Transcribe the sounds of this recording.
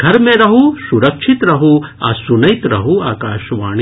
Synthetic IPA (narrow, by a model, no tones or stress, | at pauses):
ɡʱɐɾmẽɾɐɦusuɾɐkʃʰit̪ɾɐɦua̰sunɐjt̪ɾɐɦuaːkaːʃʋaːɳ̃i